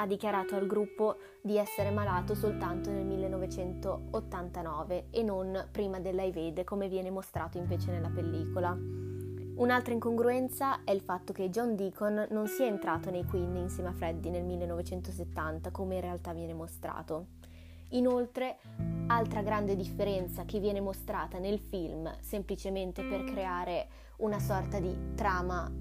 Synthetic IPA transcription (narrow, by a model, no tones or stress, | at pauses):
ad̪ːikjaɾaːt̪oalɡɾupːo | d̪iɛsːeɾemalaːt̪osolt̪ant̪onelmilːenːɔvet͡ʃɛnt̪oot̪ːant̪anɔːveenːonpɾiːmad̪elːajved̪komevjɛːnemost̪ɾaːt̪oiɱveːt͡ʃenelːapelːiːkola | unalt̪ɾaiŋkoŋɡɾuɛnt̪saɛilfat̪ːok̟ed͡ʒɔnd̪iːkonːonsiɛent̪ɾaːt̪onejkwinːinseːmeafɾɛd̪ːinelmilːenːɔvet͡ʃɛnt̪oset̪ːant̪akomeinrealt̪avːjɛːnemost̪ɾa̰ːt̪o | inolt̪ɾe | alt̪ɾaɡɾand̪ed̪ifːeɾɛnt̪sakevːjɛːnemost̪ɾaːt̪anelfilmsemplit͡ʃement̪eperkɾeaːɾe | unasɔrt̪ad̪it̪ɾaːma